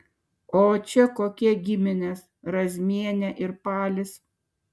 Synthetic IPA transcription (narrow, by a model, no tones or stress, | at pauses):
oːt͡ʃʲɛkoːkʲɛɡʲɪmʲɪnʲes | ɾɐzʲmʲiɛnʲɛʔɪɾpɑːlʲɪs